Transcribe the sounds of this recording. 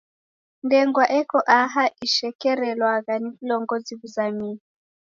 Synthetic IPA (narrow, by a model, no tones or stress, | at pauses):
ndɛŋɡwaʔɛkɔʔaɦaʔiʃɛkɛɾɛlwaɣanivulɔŋɡɔziβuzami